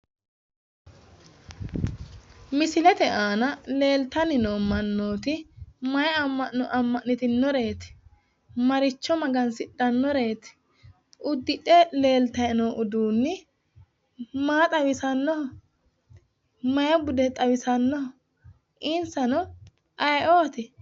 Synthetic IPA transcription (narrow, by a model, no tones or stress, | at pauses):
mɪsɪlɛt̪ɛʔaːnɐle̞ːlt̪ɐnɪnoːmɐnːoːt̪ɪmɐjɐɐmːɐɔʔɐmːɐʔnːɪt̪ɪnːɔɾe̞ːt̪ | mɐɾɪt͡ʃːɔmɐɡɐnsɪɗːɐnːɔɾe̞ːt̪ | ʔʊd̪ːɪᶑɛle̞ːlt̪ɐjɛnoːʔʊd̪uːnːɪ | maːt̪ʼɐwɪsɐnːɔhɔ | mɐjɐbʊd̪ɛt̪ʼɐwɪsɐnːɔhɔ | ʔɪnsɐnɔ | ʔɐjoːt̪ɪ